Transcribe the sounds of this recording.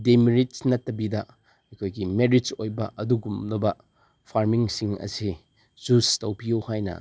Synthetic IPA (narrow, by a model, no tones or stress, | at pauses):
demiɾitnɐtːɐbidɐ | ɐjkʰojɡimeɾid͡ʒojbɐʔɐduɡumlɐbɐ | pʰaɾmiŋsiŋɐ̰si | zustɐwpijuwhajnɐ̰